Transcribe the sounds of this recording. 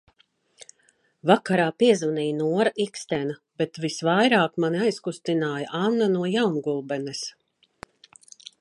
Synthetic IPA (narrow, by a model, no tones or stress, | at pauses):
vakaɾaːpiɛzvunijnuɔɾaʔikst̪ɛna | b̥et̪visvajɾaːkmaniajskust̪inaːjaʔanːanuɔjawnɡulˠbɛnɛs